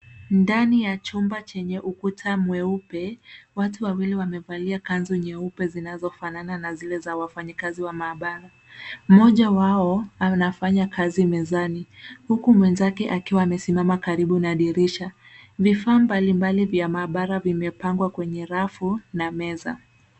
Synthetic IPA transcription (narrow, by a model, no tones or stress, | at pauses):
ndanijat͡ʃumbat͡ʃɛɲɛʔukutʰamwɛupɛwatuwawiliwamɛvaliakanzɔɲɛupɛzinazɔfanananazilɛzawafaɲikaziwamaːɓaɾa | m̩mɔʄawaɔanafaɲakʰazimɛzanihukumwɛnzakɛʔakiwaːmɛsimamakaɾiɓunaɗiɾiʃa | vifaːmbalimbalivjamaːɓaɾavimɛpaŋɡwakwɛɲɛɾafunamɛza̰